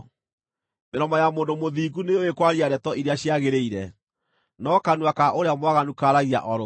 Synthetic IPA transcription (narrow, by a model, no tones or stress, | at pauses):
meɾɔmajamoːndomoðiːɣuneowekwaɾiaɾɛtɔʔiɾeaɕjaɣeɾeiɾɛ | nɔkanuakaʔoɾeamwaɣanukaɾaɣia̰ʔɔɾo